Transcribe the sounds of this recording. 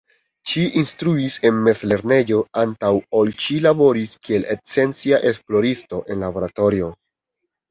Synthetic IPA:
ʃiʔinstɾuise̞nme̞zle̞ɾne̞jo̞antawolʃilabo̞ɾiskie̞let͡se̞nt͡siaʔe̞splo̞ɾisto̞ʔe̞nlabo̞ɾato̞ɾio̞

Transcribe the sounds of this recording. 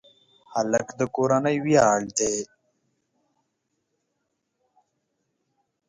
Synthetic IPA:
haləkd̪əkoɾanəjwijaːld̪e

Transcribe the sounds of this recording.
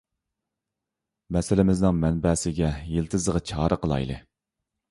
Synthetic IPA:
mɛsɪlɪmɪznɪŋmɛnbɛsɪɡʲɛjelt̪ʰɨzəʁɑt͡ʃʰɑːɾəqəlˠɑ̰jlˠɨ̰

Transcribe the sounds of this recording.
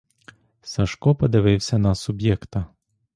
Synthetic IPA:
sɐʃkɔpɔd̪ɪʋɪwsʲɐnɐsʊbjɛkt̪ɐ

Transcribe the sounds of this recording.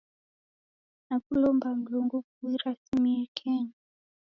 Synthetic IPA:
nakulɔmbam̩luŋɡukuiɾasimiɛkʰɛɲa

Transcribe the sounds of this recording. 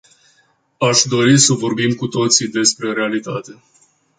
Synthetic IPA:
aʃd̪o̞ɾisəvo̞rbimkut̪o̞t̪sid̪e̞spɾe̞ɾe̞alit̪at̪e̞

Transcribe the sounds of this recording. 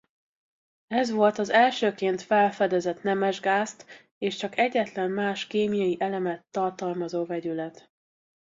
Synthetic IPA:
ɛzʋo̞lt̪ɒzɛlʃøːkeːnt̪fɛlfɛd̪ɛzɛt̪nɛmɛʒɡaːst̪ | eːʃt͡ʃɒkɛɟːɛt̪lɛmmaːʃkeːmijɒjiʔɛlɛmɛt̪ːɒrt̪ɒlmɒzoːvɛɟylɛt̪

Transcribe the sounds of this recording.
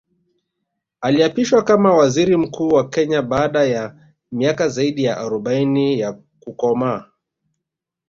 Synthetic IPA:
aliapiʃwakamawaziɾim̩kuːwakɛɲaɓaːɗaja | miakazaiɗijaʔaɾɔɓainija | kukɔmaː

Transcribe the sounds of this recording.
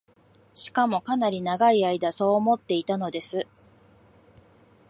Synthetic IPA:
ɕi̥kamo̞kanaɾʲinaɡaiaid̪aso̞ːmo̞t̪ːe̞it̪ano̞d̪e̞sɨ

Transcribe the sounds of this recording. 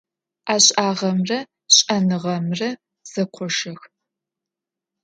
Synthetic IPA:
aːɕʼʔaːʁɐmrɐ | ɕʼɐnɨʁɐmrɐ | z̥ɐqʷʰɔʂɐx

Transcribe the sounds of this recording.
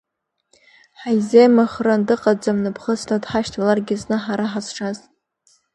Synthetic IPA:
ħajzejmɨχrandɨqʼad͡zamnɨpʰχəstadħaʃtʰalarɡʲɪznɨħaɾaħazʈ͡ʂʰaz

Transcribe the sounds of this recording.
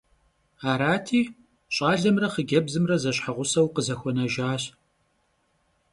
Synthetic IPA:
aːɾaːtʰiː | ɕʼaːɮɐmrɐχəɡʲɐbzɨmrɐzɐɕħaʁʷʊsɐwqəzɐxʷɔnɐʒaːɕ

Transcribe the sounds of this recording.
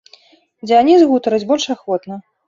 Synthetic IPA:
d͡zʲanʲizɣut̪ɐɾɐd͡zʲbɔlʲʂaxvɔt̪nɐ

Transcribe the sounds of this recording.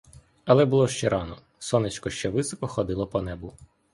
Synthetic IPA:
ɐlˠɛbulˠɔʃt͡ʃɛɾʔɑnɔ | sɔnɪt͡ʃkɔʃt͡ʃɛʋɪsɔkɔxɔd̪ɪlˠɔpɔnɛbʊ

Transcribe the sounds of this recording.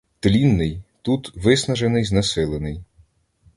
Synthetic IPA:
t̪lʲinːɪjt̪ut̪ʋɪsnɐʒenɪjznɐsɪlˠenɪj

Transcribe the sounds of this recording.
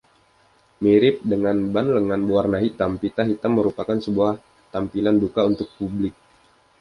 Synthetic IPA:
miɾɪp̚dəŋanbanləŋanbuarnaɦit̪ampit̪aɦit̪amːəɾupakansəbuah | t̪ampilandukaunt̪ʊk̚publɪk̚

